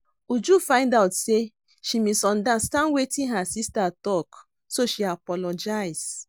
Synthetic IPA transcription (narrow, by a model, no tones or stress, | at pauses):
ud͡ʒufãɪ̃ndawtse | ʃimisɔ̃ndastãndwetĩnɦasistatɔk | soʃiapɔlɔd͡ʒajs